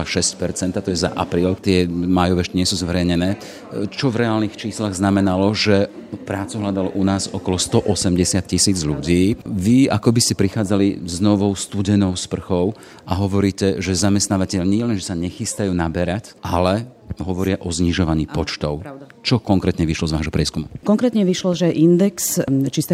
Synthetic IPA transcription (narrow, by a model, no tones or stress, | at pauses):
aʃɛscpɛɾt͡sɛnt̪at̪ɔjɛza̰ʔa̰pɾiːlkt̪ɪɛmaːjɔʋɛɛʃcɛɲɪɛsuːzʋɛɾɛjɲɛnɛː | t͡ʃɔvɾɛaːlnixt͡ʃiːslaɣznamɛnalɔʒɛpɾaːt͡suɦlad̪alɔʔunaːzɔkɔlɔst̪ɔʔɔsɛmɟɛsɪat̪̚cisiːd͡zʎuɟiːʋia̰kɔbiscɛpɾixaːd͡zalḭznɔʋɔʊst̪uɟɛnɔʊspr̩xɔʊ | ʔaɦɔʋɔɾiːcɛʒɛzamɛst̪naːʋacɛʎɲɪɛlɛnʒɛsaɲɛxist̪ajuːnabɛɾacʔalɛ | ɦɔʋɔɾɪaʔɔzɲiʒɔʋaɲiːpɔt͡ʃt̪ɔʊt͡ʃɔkɔŋkɾɛːt̪ɲɛʋiʃlɔzʋaːʒɦɔpɾɪɛskumukɔŋkɾɛːt̪ɲɛʋiʃlɔʒɛʔind̪ɛkst͡ʃist̪ɛ